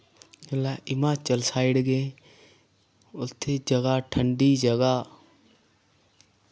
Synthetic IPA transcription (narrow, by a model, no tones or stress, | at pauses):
laɪmat͡ʃəlsaːɪɽɡẽ | ʊt̪ʰːed͡ʒɐɡaʈʰəɳɖid͡ʒɐɡa